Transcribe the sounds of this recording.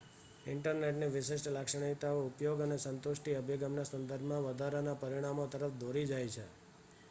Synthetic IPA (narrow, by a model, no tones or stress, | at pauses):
ɪɳʈəɾneʈniʋɪʃɪʃʈlakʂəɽ̃it̪aoupjoɡənesənt̪oʃʈiəbʱiɡəmnasənd̪əɾbʱmãʋəd̪ʱaɾanapəɾiɽ̃amot̪əɾəfd̪ʱoɾid͡ʒajt͡ʃʰḛ